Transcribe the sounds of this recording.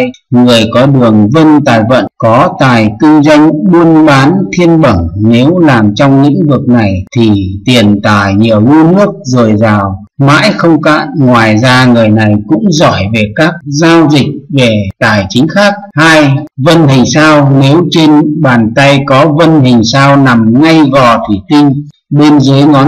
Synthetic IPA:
ŋɨ˨˩əjkɔ˨˦ɗɨ˨˩əŋvə˧nt̪aː˨˩jvə̰˧˨nkɔ˨˦t̪aː˨˩jk̪ɨ˧zwa˧jŋ̟ɓu˧ənɓaː˨˦nt̪ʰi˧ənɓə˧˩ŋne˨˦wlaː˨˩mt͡ɕɔ˧wŋ͡mlḭ˧˥ŋvɨ˨˩ək̚na˨˩jt̪ʰi˨˩t̪i˨˩ənt̪aː˧˨˩jɲḭ˨˩əwŋu˧nɨ˦˥ək̚zəː˨˩jzaː˨˩w | ma̰ː˧˥jxə˧wŋ͡mka̰ː˧˨nŋwaː˨˩jzaː˧ŋɨ˨˩əjna˨˩jkʊ̰˧˥ŋ͡mzɔ˧˩jve˨˩kaː˦˥k̚zaː˧wzï˨˩k̟̚ve˨˩t̪aː˨˩jt͡ɕï˨˦ŋ̟xaː˦˥k̚haː˧jvə˧nɦï˨˩ŋ̟saː˧wne˨˦wt͡ɕe˧nɓaː˨˩nt̪a˧jkɔ˨˦və˧nɦï˨˩ŋ̟saː˧wna˨˩mŋa˧jɣɔ˨˩t̪ʰi˨˩t̪ï˧ŋ̟ | ɓe˧nzəː˨˦jŋɔ˨˦

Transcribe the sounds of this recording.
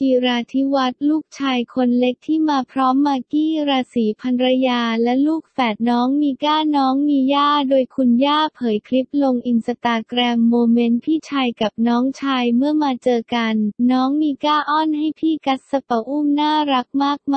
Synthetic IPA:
ʔi˨˩ɾaː˧t̪ʰi˦˥wa˦˥t̪̚luː˥˩k̚t͡ɕʰaː˧jkʰo˧nle˦˥k̚t̪ʰiː˥˩maː˧pʰɾɔː˦˥mːaː˧kiː˥˩ɾaː˧siː˩˦pʰa˧nɾa˧jaː˧lɛ˦˥luː˥˩k̚fɛː˨˩t̪̚nɔː˦˥ŋmiː˧kaː˥˩nɔː˦˥ŋmiː˧jaː˥˩doː˧jkʰu˧njaː˥˩pʰɤː˩˦jkʰli˦˥p̚lo˧ŋʔi˧nsa˧t̪aː˧kɾɛː˧mːoː˧me˦˥npʰiː˥˩t͡ɕʰaː˧jka˨˩p̚nɔː˦˥ŋt͡ɕʰaː˧jmɯ˥˩əmaː˧t͡ɕɤː˧ka˧nːɔː˦˥ŋmiː˧kaː˥˩ʔɔː˥˩nɦa˥˩jpʰiː˥˩ka˦˥t̪̚sa˧pa˧ʔuː˥˩mnaː˥˩ɾa˦˥k̚maː˥˩k̚m

